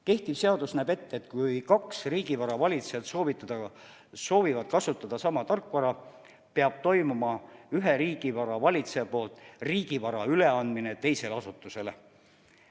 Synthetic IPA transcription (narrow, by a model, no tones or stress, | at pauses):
ke̞ht̪ipse̞ɑd̪usnæːbe̞t̪ːeet̪kujkɑksriːɡ̥ivɑɾɑvɑlʲit̪seɑt̪so̞ːvit̪ːˑɑd̪̥ɑ | so̞ːvivɑd̪̥̚kɑsut̪ːˑɑd̪̥ɑsɑmɑt̪ɑrkːˑvɑɾɑ | peɑb̥̚t̪o̞jmumɑyɦeɾiːɡ̥ivɑɾɑvɑlʲit̪seɑpo̞ːlt̪ˑriːɡ̥ivɑɾɑyle̞ɑnd̪̚minet̪e̞jse̞lɑsut̪ːˑuse̞le